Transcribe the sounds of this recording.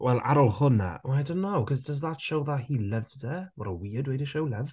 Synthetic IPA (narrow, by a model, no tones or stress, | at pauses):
wʔɛlˠʔa̰ɾɔlˠhʊna̰wadonːowkʰɔzdəzðatʃowðahiːlˠəvzɛwɔɾəwiədwejdəʃowlˠəv